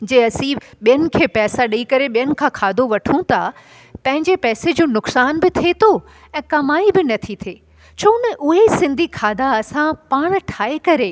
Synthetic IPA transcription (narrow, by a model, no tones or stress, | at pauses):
d͡ʑẽːɐsĩɓijənɪ̆kʰeːpɛːsaɗɐikɐɾeɓijənɪ̆kʰãːkʰaːd̪ʱoʋɐʈʰũt̪ʰa | pɐ̃ɦɪ̃ɲd͡ʑepɛːsed͡ʑoːnʊksaːnbɪt̪ʰet̪ʰo | ɛ̃ːkɐmaːibɪnɐt̪ʰit̪ʰeː | t͡ɕʰoːnɐʔʊɦesɪ̃nd̪ʱikʰaːd̪ʱaɐsãpaːɽ̃ʈʰaːekɐɾeː